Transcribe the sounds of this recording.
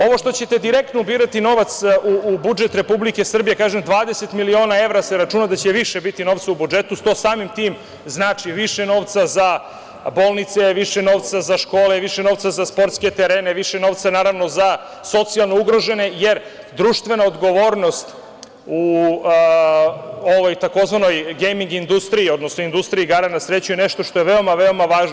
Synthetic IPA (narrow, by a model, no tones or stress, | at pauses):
o̞ʋo̞ʃt̪o̞t͡ɕet̪e̞d̪iɾe̞k̚t̪noubiːɾat̪ino̞ːʋat̪suːbud͡ʒe̞t̪ɾe̞publike̞sr̩bijekaːʒemd̪ʋaːd̪ese̞t̪milio̞ːnae̞ʋɾaseɾat͡ʂunad̪at͡ɕe̞ʋiʃebit̪ino̞ʋt̪saubud͡ʒe̞t̪ust̪o̞ːsaːmimt̪iːm | znaːt͡ʃiʋiʃeno̞ːʋt̪saza | bo̞ːlˠnit̪seʋiʃeno̞ːʋt̪sazaʃko̞ːleʋiʃeno̞ʋt̪sazaspo̞ɾt̪ske̞t̪eɾeːneʋiʃeno̞ʋt̪sanaːɾaʋno̞za | so̞t̪sialˠno̞uɡɾoʒe̞ne̞jeɾ | d̪ɾuːʃt̪ʋe̞naod̪ɡo̞ʋo̞ːɾno̞st̪ | u | oʋojt̪ako̞zʋano̞jɡejmiŋɡind̪ust̪ɾiːo̞d̪nosnoind̪ust̪ɾiiɡaɾanasɾe̞t͡ɕujeneʃt̪o̞ʃt̪oeʋeo̞maʋe̞o̞maʋaːʒno